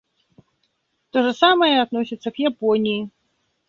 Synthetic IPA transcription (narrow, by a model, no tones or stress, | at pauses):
t̪ɔʐɐsamɐjɛad̪nɔsʲit̪sːɐkjapɔnʲiji